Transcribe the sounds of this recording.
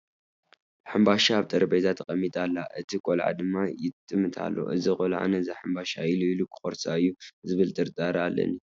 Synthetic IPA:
ħɨmbaʃaːβt̪ʼɨɾɐbezat̪ʰɐqʼɐmːit̪ʼalːaʔɨt̪ʰikʼolʕa̰d̪ɨmːajɪt̪ʼɨmːɨt̪ʰa̰lːo̰ʔɨzikʼolʕa̰nɐzaħɨmbaʃailuilukʰɨ̥xʼoɾsaɨjːuzɨβɨlt̪ʼɨɾt̪ʼaɾalːɐ̰ni

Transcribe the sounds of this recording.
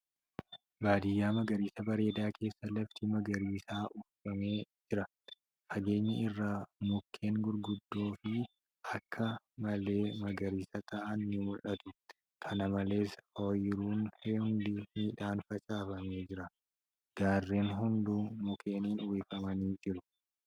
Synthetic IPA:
baːd̪ɪjːaːmɐɡɐɾiːsɐbɐɾe̞ːd̪aːkʰe̞ːsːɐlɐft̪ɪmɐɡɐɾiːsaːʔʊffɐmeːd͡ʒɪɾɐ | fɐɡe̞ːɲːɐɪrːaːmʊkʰːe̞ːŋɡʊɾɡʊd̪ːo̞ːfɪ | ɐkʰːɐ | mɐle̞ːmɐɡɐɾiːsɐt̪ɐʔɐnːɪmʊlʔɐt̪ʊ | kʰɐnɐmɐle̞ːsoːjɪɾuːnhɛhʊnd̪iːmiːᶑaːnfɐt͡ʃʼaːfɐme̞ːd͡ʒɪɾɐ | ɡ̥aːrːeːnɦʊnd̪uːmʊkʰeːniːnʊweːfɐmɐniːd͡ʒɪɾʊ

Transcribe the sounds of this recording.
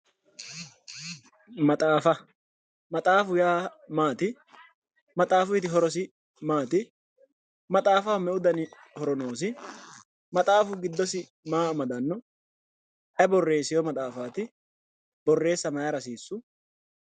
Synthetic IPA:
mɐt̪ʼaːfɐ | mɐt̪ʼaːfʊjaːmaːt̪ɪ | mɐt̪ʼaːfʊjɪt̪ɪɦɔɾɔsɪ | maːt̪ɪ | mɐt̪ʼaːfɐwmɛʊd̪ɐnɪ | hɔɾɔno̞ːsɪ | mɐt̪ʼaːfʊɡɪd̪ːɔsɪ | maːmɐd̪ɐnːɔ | ʔɐbɔrːe̞ːsɪjɔmɐt̪ʼaːfaːt̪ɪ | bɔrːe̞ːsːɐmɐjɐɾɐsiːsːʊ

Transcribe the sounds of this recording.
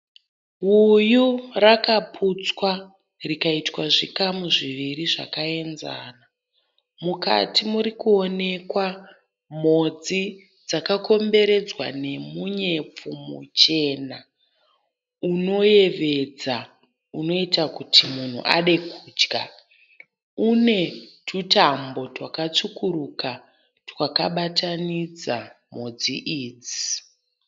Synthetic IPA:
ɦujurakapʰut͡swa | rikaitwaʐikamuʐiʋiriʐa̰kae̞nza̰ːna | muka̰tʰimuɾikuone̞kwa | m̤od͡zi | d͡zakako̞mbe̞ɾe̞d͡zwa̰ne̞muɲe̞p͡fomṵt͡ʃe̞na | uno̞je̞ʋe̞d͡za | uno̞itakutʰimun̤ṵʔa̰ɗe̞kuːd͡ʒɡa̰ | une̞tutambo̞twakat͡sukuɾuka | twakaɓatʰanid͡zamo̞d͡ziʔiːd͡zi

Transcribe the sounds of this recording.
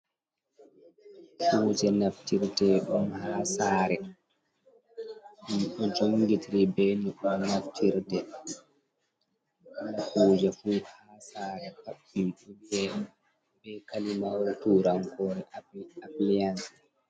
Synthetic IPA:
fuːd͡ʒɛnaftiɾtɛɗɔmhaːsaːɾɛ | nɗɔd͡ʒoŋɡitiɾibɛniɗɔmnaftʰiɾtɛ | lːakuːd͡ʒɛfuːhasaːɾɛpaɓumɗuiɛ | bɛkalimawɾtuɾaŋkɔɾɛʔaplians

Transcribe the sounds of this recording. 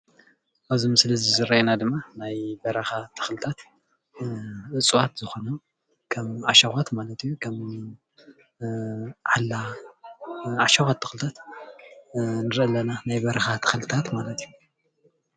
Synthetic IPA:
ʔaβzimɨslɐzizɨɾɐenad̪ɨmːanajbɐɾɐxat̪ʰɨ̥xɨlɨt̪ʰat̪ | ʔɨt͡sʼwat̪z̥ɨxo̞nɐ | kʰɐmʕaʃɐxʷat̪malɐt̪jukʰɐm | ʕalːa | ʕaʃɐxʷat̪ʰːɨxɨlɨt̪ʰat̪ | nɨɾʔlːɐnanajbɐɾɐxat̪ʰɨ̥xɨlɨt̪ʰat̪malɐt̪ʰju

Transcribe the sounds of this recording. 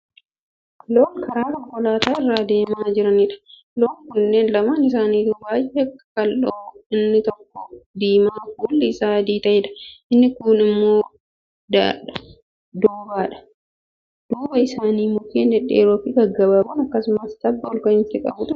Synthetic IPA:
loːŋkɐɾaːkɐŋkɔlaːt̪aːɪrːaːd̪e̞ːmaːd͡ʒɪɾɐniᶑɐ̥ | loːŋkʊnːeːnlɐmaːnɪs̬aːniːd̪ʊbaːjɛɛkːɐ̥kɐlʔɔɪnːɪt̪ɔkːɔd̪iːmaːkuːlːɪːsaːd̪iːt̪ɐʔɛᶑɐ̥ʔɪnːɪkʊnɪmːoː | d̪aɐ | d̪uːbaːᶑɐ̥ | d̪̥uːbɐɪsaːniːmʊkeːnd̪ɛᶑːeːɾoːfɪɡɐɡːɐbaːbʊnɐkːɐsʊmɐsd̪ɐbːɐɔlkɐɪnt̪ːɪkʼɐ̰bʊᶑʊ

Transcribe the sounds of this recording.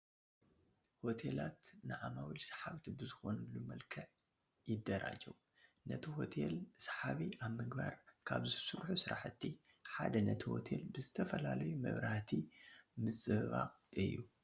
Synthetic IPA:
ho̞t̪ʰelat̪nɨʕamawilsḁħawt̪ʰibɨzɨxo̞nɨlumɐlkʰɐʕ | jɪd̪ːɐɾa̰d͡ʒɐw | nɐt̪ʰiɦo̞t̪ʰelsaħaβiʔaβmɨɡbaɾkʰaβzɨsɨɾħusɨɾaħɨt̪ʰːi | ħad̪ɐnɐt̪ʰiho̞̰t̪ʰe̞lbɨzɨt̪ʰɐfɐlalɐjumɐ̰βɾaht̪ʰimɨt͡sʼɨɨβa̰qʼɨjːu

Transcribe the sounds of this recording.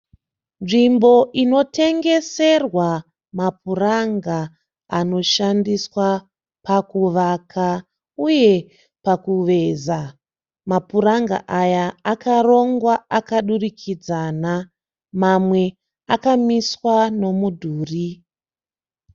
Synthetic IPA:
nʐimbo̞ʔino̞te̞ŋɡe̞se̞rwa | mapuraŋɡa | ano̞ʃandiswa | pakuʋakʰa | uje̞ | pakuʋe̞za | mapuɾaŋɡa̰ʔajaːkaro̞ŋɡwaakaɗurikʰid͡zana | mamwe̞ | akamiswano̞mudʱuːri

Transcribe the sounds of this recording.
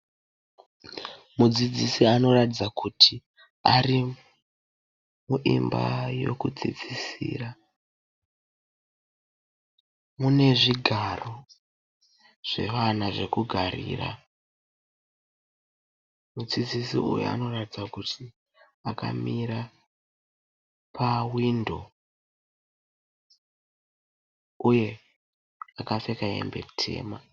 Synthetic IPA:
mud͡zid͡zisiano̞ratid͡zakʰutʰi | ari | muʔimba̰jo̞̰kud͡zḭd͡zisḭːra | mune̞ʐiɡʱaro̞ | ʐ̥e̞̰ʋanaʐe̞kuɡʱarḭːra̰ | mud͡zid͡zisiṵjṵa̰no̞ratid͡zakutʰi | aka̰miɾa | pʰawindo̞̰ | uje̞ | akafekae̞̰mbe̞̰tʰe̞̰ːma

